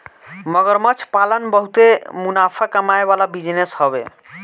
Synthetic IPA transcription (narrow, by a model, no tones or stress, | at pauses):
məɡəɾmət͡ʃʰpalənbəɦut̪emunapʰakəmaebalabid͡ʒneshəbḛ